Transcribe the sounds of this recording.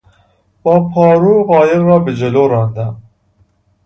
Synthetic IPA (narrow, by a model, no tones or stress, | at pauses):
b̥ɒːpʰɒːɾuɣɒːjeɾrɒːbed͡ʒeloːɾɑnd̪æm